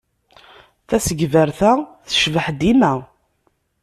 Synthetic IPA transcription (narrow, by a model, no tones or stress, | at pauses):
θæsəɡvəɾθæθə̥ʃvəħd̪imæ